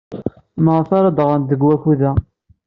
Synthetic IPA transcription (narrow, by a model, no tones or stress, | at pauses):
məʁθaɾad̪ʁənd̪əɡwæçuðæ